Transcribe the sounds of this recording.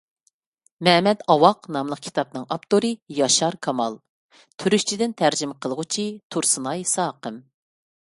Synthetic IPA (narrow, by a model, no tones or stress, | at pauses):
mɛmɛt̪ɑwɑqnɑmlˠəq̚kʲʰi̥t̪ʰɑp̚nɨŋɑpt̪oɾɨjɑʃɑɾkʰɑmɑlˠ | t̪ʰyɾyʃt͡ʃʰid̪ɪnt̪ʰæɾd͡ʒimɪqʰəlˠəʁʊt͡ʃʰit̪ʰuɾsɨnɑjsɑːqəm